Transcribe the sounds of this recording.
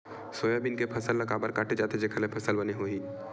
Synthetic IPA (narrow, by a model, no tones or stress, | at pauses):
soːjabɪnkepʰɐsəlːɐkaːbəɾkaːʈʰed͡ʒaːt̪ed͡ʒekʰəlepʰɐsəlbɐneɦoːiː